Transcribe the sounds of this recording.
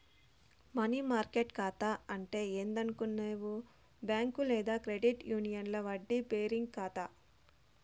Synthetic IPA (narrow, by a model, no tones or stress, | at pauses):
mɐniːmaːɾkeʈkaːt̪aːɐɳʈe̞ːeːnd̪ɐnukunːeːʋu | bjaːŋkulɛːd̪aːkɾeɖiʈjuːnijɐnlɐʋɐɖːipeːɾiŋɡkaːt̪aː